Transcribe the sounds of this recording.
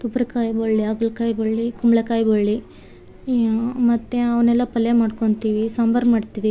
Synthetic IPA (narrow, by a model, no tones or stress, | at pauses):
t̪ubɾɐkaːjboɭːiaːɡuɭkaːjboɭːikumɭɐkaːjboɭːi | mɐt̪ːeɐʋɐnɛlːɐpɐlːemaːɖkoɳt̪iːʋisɐmbɐɾbmaːɖt̪iʋi